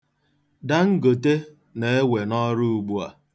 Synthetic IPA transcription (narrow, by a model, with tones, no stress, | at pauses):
da˦ŋ̩˦ɡo˨te˦ | ne˨e˦we˨nɔ˦ɾu˦u˨ɡ͡bu˦a̰˨